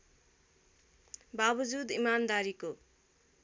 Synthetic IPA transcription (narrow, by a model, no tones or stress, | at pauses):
babʌd͡zud̪imand̪aɾiko